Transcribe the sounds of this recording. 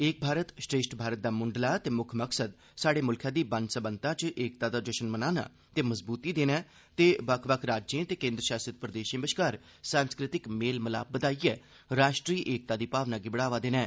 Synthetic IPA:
eːk̚bʱaːɾət̪sʈɾeːsʈbʱaːɾət̪̚d̪aːmʊɳɖlaːt̪eːmʊkʰməksəd̪ | saːɽeːmʊlkʰjãːd̪iːbənsəbənt̪ãːt͡ʃʔeːk̚t̪aːd̪aːd͡ʒəʃənmənaːna̰ː | t̪eːməzbuːt̪iːd̪eːnɛː | t̪eːbəkʰbəkʰɾaːd͡ʒd͡ʒẽːt̪eːkẽːnd̪ɾəʃaːsət̪̚pɾəd̪eːʃẽːbəʃkaːɾ | sãːnskɾɪt̪ɪkmeːlməla̰ːbəd̪aːiːɛː | ɾaːʃʈɾiːʔeːk̚t̪aːd̪iːpaːʋnaːɡɪbəɽaːʋaːd̪eːnɛ̃ː

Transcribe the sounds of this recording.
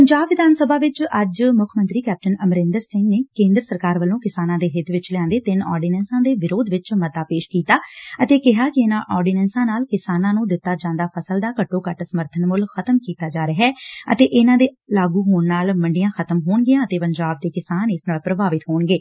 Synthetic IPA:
pəɲd͡ʒaːbʋɪd̪aːnsəbaːʋɪt͡ʃəd͡ʒmʊkʰmənt̪ɾiːkɛːp̚ʈənəmɾɪ̃ːnd̪əɾsɪ̃ŋɡneːkẽːnd̪ɾəsəɾkaːɾʋəlːõːkɪsaːnãːd̪eːɦɪt̪ʰʋɪt͡ʃlɪjãːnd̪eːt̪ɪnɔːɾɖiːnɛ̃ːnsãːd̪eːʋɪɾoːd̪ʋɪt͡ʃməd̪aːpeːʃkiːt̪aːət̪eːkɪɦaːkɪɪnãːʔɔːɾɖiːnɛːnsãːnaːlkɪsaːnãːnũːd̪ɪt̪ːaːd͡ʒãːnd̪aːpʰəsəld̪aːkəʈːoːkəʈsəməɾt̪ʰənmʊlxʰət̪əmkiːt̪aːd͡ʒaːɾəɦɛːə̰t̪eːʔɪnãːd̪eːlaːɡuːɦoːɳnaːlməɳɖɪjãːxʰət̪əmɦoːɳɡɪjãːət̪eːpəɲd͡ʒaːb̚d̪eːkɪsaːnɪsnaːlpɾəbaːʋɪt̪ɦoːɳɡeː

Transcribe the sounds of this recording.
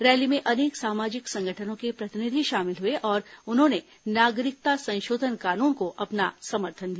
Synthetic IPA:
ɾɛːlimẽʔɐneːksaːmaːd͡ʒɪksɐ̃ŋɡʱəʈʰənõkepɾɐt̪ɪnɪd̪ʱiʃaːmɪlɦueʔɔːɾʊnɦõne | naːɡɾɪk̚t̪asɐ̃nʃoːd̪ʱənkaːnuːnkoʔɐpnasɐməɾt̪ʰənd̪ia

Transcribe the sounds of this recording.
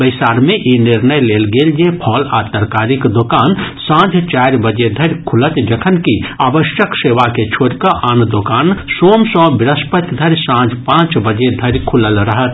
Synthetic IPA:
bəɪsaːɾmẽʔinɪɾnəjleːlɡeːljepʰɔːlaːt̪əɾkaːɾɪkd̪okaːnsãːd͡ʒʱt͡ʃaːɾbəd͡ʒed̪ʱɐɾʲkʰʊlət̪d͡ʒɐkʰənkiaːʋəʃjəkseːʋaket͡ʃʰoːɾkəʔaːnd̪okaːnsoːmsɔ̃bɪɾəspət̪ʲd̪ʱɐɾsãːd͡ʒʱpãːt͡ʃbəd͡ʒed̪ʱɐɾkʰʊləlɾəɦət̪

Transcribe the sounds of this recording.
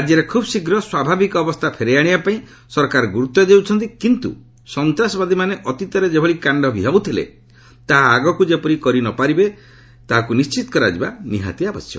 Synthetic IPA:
ad͡ʒjɔɾekʰubsikɾɔswabʱabikɔːbɔst̪ʰapʰeɾejaɽ̃ibapaĩ | sɔɾkaɾɔɡuɾut̪ːɔd͡ʒewt͡ʃʰɔnt̪ikint̪ṵ | sɔnt̪ɾasɔbad̪ʱimaneʔɔt̪it̪ɔɾed͡ʒebʱɔɭikaɳɖɔbʱiɦawt̪ʰilḛ | t̪aɦaːɡɔkud͡ʒepɔɾikɔɾinɔpaɾibe | t̪aɦakunist͡ʃit̪ɔ̥kɔɾa̰d͡ʒibaniɦa̰t̪iabɔsjɔ̰

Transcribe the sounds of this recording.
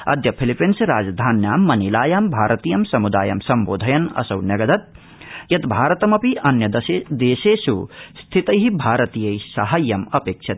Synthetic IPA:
ɐ̰d̪ʱjɐpʰilipinsɾaːd͡ʒd̪ʱaːnjaːmːɐnilaːjaːmbʱaːɾɐt̪iːjɐmsɐmud̪a̰ːjɐ̰msɐmboːd̪ʱɐjɐnɐ̰sɐwnɐɡɐd̪ɐt̪̚ | jɐt̪bʱaːɾɐt̪ɐmɐpiʔɐnjɐd̪sd̪eːseːsust̪ʰit̪ɐjɦibʱaːɾɐt̪ijɐjsɐɦɐjːɐmɐpeːkʃʰɐt̪̚

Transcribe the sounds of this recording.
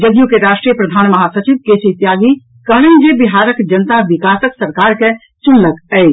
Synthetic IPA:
d͡ʒəɡjukeɾaːʃʈɾijəpɾəd̪ʱaːnmɐɦasət͡ʃiʋkeːsit̪jaːɡi | kəɽ̃end͡ʒebɪɦaːɾəkd͡ʒənt̪aʋɪkaːsəksəɾkaːɾke | t͡ʃʊnləkɛi

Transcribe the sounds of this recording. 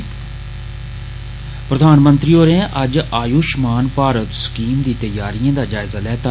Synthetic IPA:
pɾəd̪ʱaːnmə̃nt̪ɾiːoːɾẽːʔəd͡ʒaːjuːʃmaːnpaːɾət̪sə̥kiːmd̪iːt̪əjaːɾijãːd̪aːd͡ʒaːɪzaːlɛːt̪aː

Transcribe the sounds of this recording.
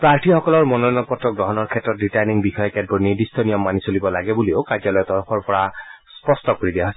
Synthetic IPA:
pɹaɹtʰixɔkɔlɔɹmɔnɔnɔpɔtɹɔk̚dɔɦɔnɔɹkʰɛtɹɔtɹitajniŋbixɔjɔkɛd̚bɔɹniɹdistʰɔnijɔmːanisolibɔlaɡɛbuliokaɹzɔlɔjɔt̪ɔɹɔxʰɔɹpɔɹaspɔstɔkoɹidijaɦojs

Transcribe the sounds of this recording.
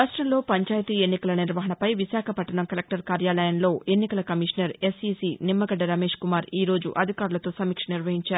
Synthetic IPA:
ɾaːʂʈɾɐmlo̞ːpɐɲt͡ʃaːjɐt̪iːe̞nːikɐlɐniɾʋɐɦɐnɐpɐjʋisaːkʰɐpɐʈːɐnɐmkɐlek̚ʈɐɾkaːɾjaːlɐjɐnlo̞ːe̞nːikɐlɐkɐmiʂɐnɐɾe̞sisinimːɐɡɐɖːɐɾɐme̞ːʂkumaːɾiːɾo̞ːd͡ʒṵʔɐd̪ʱikaːɾulɐt̪o̞ːsɐmiːkʂɐniɾʋɐɦiɲt͡ʃaːɾuu

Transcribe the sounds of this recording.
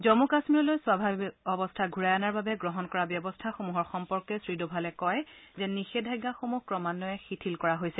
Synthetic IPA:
zɔmukasmiɹɔlojswabʱabiɔbɔstʰaɡʱuɹajanaɹbabɛɡɹɔɦɔnkɔɹabjɔbɔstʰaxomuɦɔɹxɔmpɔɹkɛsɹidobʱalɛkɔjzɛnixedʱajɡaxomuhkɹɔmanːɔɛxitʰilkɔɹaɦojsɛ

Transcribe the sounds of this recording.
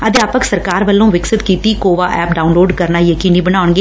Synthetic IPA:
əd̪jaːpəksəɾkaːɾʋəlːõːʋɪksɪt̪kiːt̪iːkoːʋaːʔɛːp̚ɖaːʊnloːɖkəɾnaːjəkiːniːbəɽ̃aːʊɳɡeː

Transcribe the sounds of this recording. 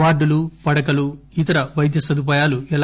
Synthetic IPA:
aːɾɖulupɐɽɐkɐlu | it̪ɐɾɐʋɐjd̪ʱjɐsɐd̪up̬aːjaːluɛl

